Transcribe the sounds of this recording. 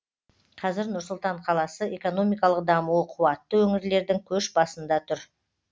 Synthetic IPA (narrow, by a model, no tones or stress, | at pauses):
qʰɑzɪɾnʊɾsʊlˠt̪ɑɴqʰɑlˠɑsəe̞ko̞no̞mijkɑlˠəqd̪ɑmuəqʰuwɑt̪ːəwɵŋɪɾle̞ɾd̪ɪŋkʲʰɵʃbɑsənd̪ɑt̪ʰʊɾ